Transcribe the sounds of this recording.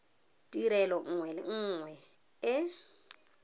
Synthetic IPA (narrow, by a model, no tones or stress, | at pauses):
tʼiɾɛlɔŋ̩ːŋwɛlɪ̰ŋ̩ːŋwɛ | ɪ